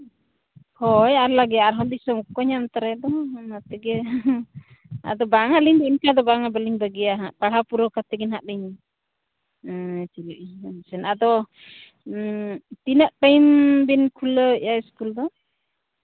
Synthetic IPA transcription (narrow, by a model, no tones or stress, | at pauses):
hɔjaɾlaɡɛaaɾɦɔnd̪isɔŋkɔɲamt̪aɾɛd̪ɔnat̪ɛɡɛ | a̰d̪ɔbaŋaliɲd̪ɔinkad̪ɔbaŋabəliŋbəɡɛjaɦaʔpaɽ̤apuɾɔkat̪ɛɡɛnɦaʔdiɲ | t͡ʃiluʔisɛnad̪ɔ | t̪inaʔʈajmbinkʰuləjaiskuld̪ɔ